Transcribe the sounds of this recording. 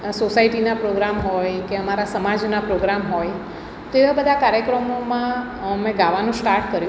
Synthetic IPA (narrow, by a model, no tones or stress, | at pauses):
sosaiʈinapɾoɡɾamɦojkeəmaɾasəmad͡ʒnapɾoɡɾamɦoj | t̪eʋabəd̪ʱakaɾjəkɾəmomã | mẽɡaʋanũsʈaɾʈkəɾjũ